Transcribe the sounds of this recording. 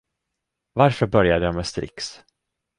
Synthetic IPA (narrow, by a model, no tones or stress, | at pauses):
vaɾfœɾbœɾjad̪əjamɛst̪ɾɪ̰ks